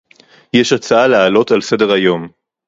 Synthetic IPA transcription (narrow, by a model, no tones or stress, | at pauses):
jeʃat͡saalealo̞talse̞de̞ʁajo̞m